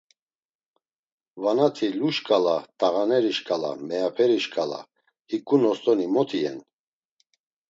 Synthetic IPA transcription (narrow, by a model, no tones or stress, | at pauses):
vanat̪ʰiluʃkʼalat̪ʼaɣanɛɾiʃkʼala̰mɛjapʰɛɾiʃkʼala̰ | hikʼunɔst̪ʼɔnimɔt̪ʰiɛ̰n